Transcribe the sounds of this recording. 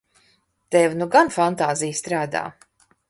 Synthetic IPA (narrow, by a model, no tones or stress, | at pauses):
t̪ɛvnuɡanfant̪aːzijst̪ɾaːd̪a̰ː